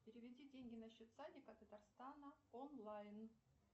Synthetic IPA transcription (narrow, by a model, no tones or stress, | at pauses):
pʲɪɾʲɪvʲɪdʲidʲeŋʲɡʲɪnɐɕːot̪sanʲɪkɐt̪ət̪arst̪anəonlˠajn